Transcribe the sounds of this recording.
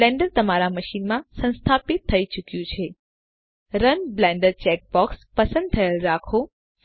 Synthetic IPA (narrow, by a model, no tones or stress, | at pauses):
lɛ̃ɳɖəɾt̪əmaɾaməʃinmãsə̃nst̪ʰapit̪ʰːəit͡ʃukjũt͡ʃʰe | ɾənblɛ̃ɳɖəɾt͡ʃɛk̚bɔkspəsə̃nd̪̚t̪ʰəjelɾakʰo